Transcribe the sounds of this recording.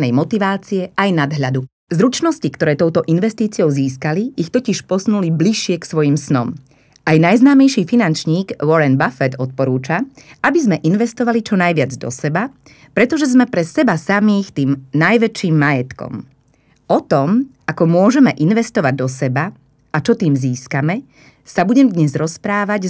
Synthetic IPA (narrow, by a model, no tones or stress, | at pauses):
nɛjmɔt̪iʋaːt͡siɛajnad̪ɦʎad̪u | zɾut͡ʃnɔscikt̪ɔɾɛːt̪ɔʊt̪ɔʔinʋɛst̪iːt͡siɔʊziːskaliixt̪ɔciʃpɔsnulibliʃɪɛksʋɔjimsnɔm | ajnajznaːmɛjʃiːfinant͡ʃɲiːɡwɔɾɛnbafɛd̪ɔt̪̚pɔɾuːt͡ʃaʔabizmɛʔinʋɛst̪ɔʋalit͡ʃɔnajʋɪad͡zd̪ɔ̰sɛba | pɾɛt̪ɔʒɛzmɛpɾɛsɛbasamiːxt̪iːmnajʋɛt͡ʃiːmːajɛt̪kɔ̰m | ɔt̪ɔmʔakɔmʊɔʒɛmɛʔinʋɛst̪ɔʋaɟ̚d̪ɔsɛba | ʔat͡ʃɔt̪iːmziːskamɛ | sabuɟɛmd̪ɲɛzɾɔspɾaːʋaɟ